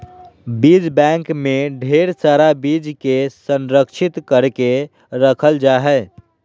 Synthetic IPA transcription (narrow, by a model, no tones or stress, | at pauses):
bid͡ʒbɛ̃ŋkmeɖʱeɾsaɾabid͡ʒkesə̃nɾəkʃʰɪt̪kəɾke | ɾəkʰəld͡ʒaːɦɛ